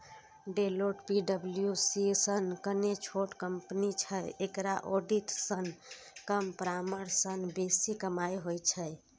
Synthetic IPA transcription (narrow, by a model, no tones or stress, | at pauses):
ɖeloʈpiɖəbljusisənkənet͡ʃʰoʈkəmpnit͡ʃʰəjekɾaʔoɖiʈsənkəmpɾaməɾsənbesikəmajɦojt͡ʃʰəj